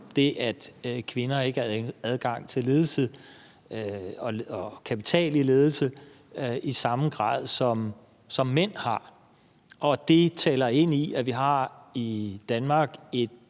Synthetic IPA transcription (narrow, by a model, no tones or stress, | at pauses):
d̥e̝ʔæd̥kʰʋe̝nɐe̝ɡ̥æð̞ˠɡ̥ɑ̈ŋ̰t͡sʰe̝le̝ːð̞ˠl̩sə | ɒ̽ɒkʰæpʰit͡sʰɛ̰ːlile̝ːð̞ˠl̩sə | isɑ̈mɡ̥ʁɑ̰̈ːð̞̰ˠsɒ̽m | sɒ̽mːen̰hɑ̈ | ʔɒ̽d̥e̝t͡sʰɛːlɐe̝n̰iæʋiɦɑ̈id̥ænmɑ̈ːɡ̥e̝d̥